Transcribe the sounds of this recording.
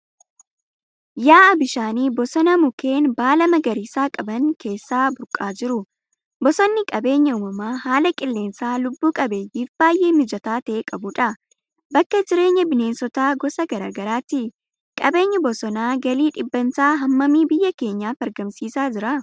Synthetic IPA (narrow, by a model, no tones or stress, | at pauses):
jaːɐbɪʃaːniːbɔsɔnɐmʊke̞ːnbaːlɐmɐɡɐɾiːsaːkʼɐbɐŋke̞ːsːaːbʊɾkʼaːd͡ʒɪɾʊ | bɔsɔnːɪkʼɐbe̞ːɲːɐʊːmɐmaːɦaːlɐkʼɪlːe̞ːnsaːlʊbːuːkʼɐbejɪfb̥aːjːeːmɪd͡ʒɐt̪aːt̪ɐʔeːkʼɐbʊᶑɐ | bɐkːɐd͡ʒɪɾe̞ːɲːɐbɪne̞ːnsɔt̪aːɡɔsɐɡɐɾa̰ːɡɐɾaːt̪ɪ | kʼɐbe̞ːɲːɐbɔsɔnaːɡɐliːᶑɪbːɐnsaːɦɐmːɐmiːbɪjːɐke̞ːɲːaːfɐɾɡɐmsiːsaːd͡ʒɪɾɐ